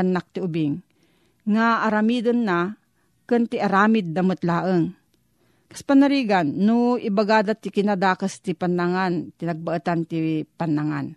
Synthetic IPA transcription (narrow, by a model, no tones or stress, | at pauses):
nːak̚t̪ɪʊbɪŋː | aːɾɐmiːd̪onːa | kɨnt̪ɪʔaɾaːmɪd̪̚ːɐmot̪laːʔəŋ | kɐ̥spanaɾiːɡanːʊʔɪbaɡaːd̪at̪ɪkɪnad̪aːkast̪ɪpanːaŋant̪ɪnɐɡ̚baʔət̪ant̪ipanːaŋan